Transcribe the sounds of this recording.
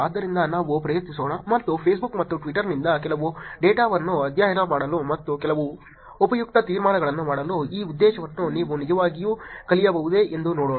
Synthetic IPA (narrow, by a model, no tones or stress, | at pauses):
aːd̪ːɐɾind̪ɐnaːʋupɾɐjɐt̪nisoːɳɐmɐt̪ːupʰeːs̬bukmɐt̪ːuʈʋiʈːɐɾnind̪ɐkɛlɐʋuɖeːʈaːʋɐnːuɐd̪jaːɦɐɾɐmaːɽɐlumɐt̪ːukɛlɐʋu | opɐjuk̚t̪ɐt̪iːɾmaːɳɐɡɐɭɐnːumaːɽɐluiːud̪ːɛːʃɐʋɐnːuniːʋunid͡ʒɐʋaːɡijuːkɐlijɐbɐʋud̪e̞end̪unoːɽoː